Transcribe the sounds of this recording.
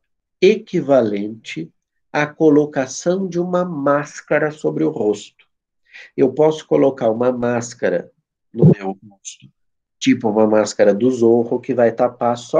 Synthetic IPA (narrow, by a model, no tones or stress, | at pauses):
ekivalẽnt͡ʃɪ | ɐkolokasɐ̃w̃d͡ʒɪũmɐmaskaɾɐsobɾɪʊhost̪ʊ̥ | ewpɔsʊ̥kolokaɾũmɐmaskɐɾɐ̰ | nʊmewost̪ʊ̥ | t͡ʃipʊũmɐmaskɐɾɐd̪ʊzohʊkɪvajt̪apaɾsɔ